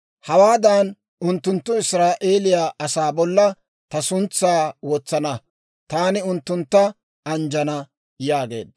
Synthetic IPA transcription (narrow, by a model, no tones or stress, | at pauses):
hɐwaːd̪an | ʊnt̪ːʊnt̪ːʊɪsɾaːʔeːlɪjaːʔɐsaːbɔlːɐ | t̪ɐsʊnt͡sːaːwoːt͡sːɐnɐ | t̪aːnɪʊnt̪ːʊnt̪ːɐ | ɐnd͡ʒɐnɐ | jaːɡe̞̰ːd̪̚